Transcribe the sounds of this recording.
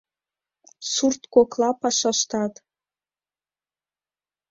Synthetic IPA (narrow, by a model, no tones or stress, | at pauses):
surt̪koklˠɑpɑʃɑʃt̪ɑt̪